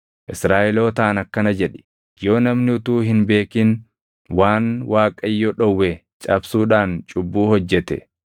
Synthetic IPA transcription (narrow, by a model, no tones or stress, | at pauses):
ʔɪsɾaːʔɛlo̞ːt̪ɐʔɐnɐkːɐnɐd͡ʒɛᶑɛ̥ | jo̞ːnɐmnɪʊt̪uːɦɪnbe̞ːkɪn | waːnwaːkʼɐjːoɗɔwːɛ | t͡ʃʼɐbsuːᶑaːnt͡ʃʼʊbːuːhɔd͡ʒːɛt̪ɛ̰